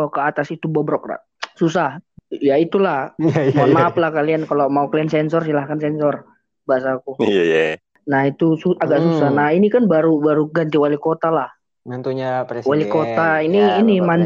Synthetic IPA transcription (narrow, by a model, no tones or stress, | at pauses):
okəat̪asit̪ubɔbəɾɔkra̰ | sus̬ahjait̪ulahmanmap̚lahkaliankalomaukliansɛnsɔrsilahkansɛnsɔr | baas̬aːkujaja | nahit̪usuaɡaʔsusahnahinikanbaɾubaɾuɡant̪iwalikot̪alah | nt̪uɲawalikot̪ainiːniman